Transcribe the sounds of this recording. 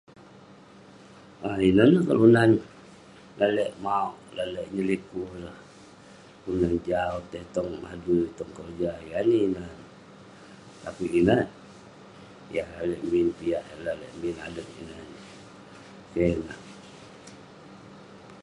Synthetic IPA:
ʔainənəkalunan | lalɛʔmaoʔlalɛʔɲəlikuɾəh | unand͡ʒaot̪ət̪ɔŋa̰dut̪ɔŋkərd͡ʒaijaniːnan | t̪apiʔinə | jahlalɛʔmbinpijaʔlalɛ̰ʔmbina̰dət̪ḭnən | kenah

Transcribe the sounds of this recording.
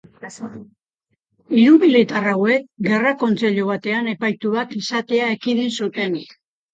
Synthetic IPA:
iɾuβilit̪arawe̞kɡe̞rako̞nt͡se̞ʎuβ̞at̪e̞ane̞pajt̪uβak̪isat̪e̞aekiðinsut̪e̞nik

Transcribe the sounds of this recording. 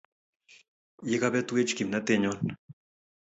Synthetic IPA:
jekabet̪wet͡ʃkimnat̪eɲon

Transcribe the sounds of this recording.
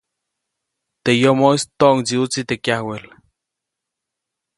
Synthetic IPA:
t̪ejomoist̪oʔŋt͡siut͡sit̪ekjahwel

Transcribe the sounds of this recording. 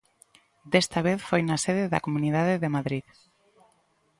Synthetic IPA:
d̪est̪aβ̞eθfojnaseðeða̰komuniðaðeðemaðɾið

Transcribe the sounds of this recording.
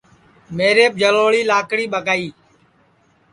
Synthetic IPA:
meːɾeːp̚d͡ʒʱəloːɭiːlaːkɽiːɓəɡaːiː

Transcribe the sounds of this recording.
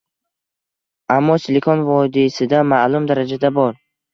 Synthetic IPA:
amːɒsɪlekʰɔnvɒd̪isɪd̪amalˠʊmd̪aɾad͡ʒad̪abɒɾ

